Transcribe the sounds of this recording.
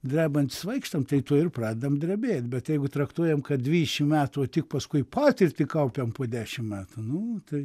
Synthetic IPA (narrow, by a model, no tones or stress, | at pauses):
d̪ʲrʲæːbɐnʲt̪ʲɪ̥sʋɐɪkʃt̪ɐmt̪ɐɪt̪uɔɪrprɑːd̪ʲɪd̪ɐmd̪ʲɾʲɛbʲeːt̪̚ʲbʲɛt̪jɛɪɡʊt̪ɾɐkt̪uɔjɛmkɐd̪ʲʋʲiːd̪ʲɪʃʲɪmmʲæːt̪uoːt̪ʲɪk̚pɐskʊɪpɑːt̪ʲɪrʲt̪ʲɪkɐʊpʲɛmpoːd̪ʲæːʃʲɪmmʲæːt̪ʊnʊt̪ɐɪ